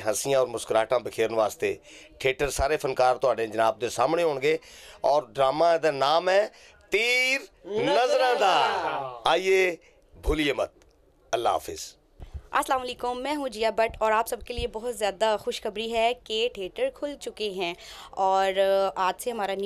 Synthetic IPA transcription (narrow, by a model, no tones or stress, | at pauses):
ɦəsɪjãːɔːɾmʊskɾaːʈãːbɪkʰeːɾnʋaːst̪eː | ʈʰeːʈəɾsaːɾepʰənkaːɾt̪ʊaːɖẽd͡ʒənaːb̚d̪esaːmɳeɦõːɳɡeːɔːɾɖɾaːmãd̪anaːmɛː | t̪iːɾnəzɾãːd̪aːaːieː | bʱʊlijeːmət̪̚ | ɐlːa̰ːə̰fɪ̰z | ɐslaːmɐleːkʊmːɛ̃ːɦũd͡ʒijaːbəʈɔːɾaːpsɐb̚keliebɔɦʊt̪zjaːd̪axʊʃxəbɾiɦɛkeʈʰeːʈəɾkʰʊlt͡ʃʊkeɦɛ̃ːɔːɾaːd͡ʒseɦɐmaːɾan